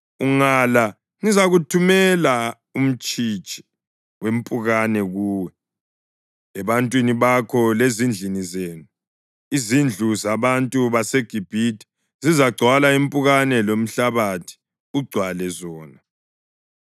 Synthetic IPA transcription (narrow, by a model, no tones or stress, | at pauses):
uŋala | ŋizaɣutʰumɛla | um̩t͡ʃʼit͡ʃʼi̥ | wem̩pʼuɣanɛɣuːwɛ | ɛβantʼwiniβakʰɔlezind͡ɮʱinizeːnu | izind͡ɮʱuzaβantʼuβaseɡ̥ʱib̥ʱitʰʼi̥ | zizaɡ͡ǀʱwalaim̩pʼuɣanɛlom̩ɬaβatʰi̥ | uɡ͡ǀʱwalɛzɔːna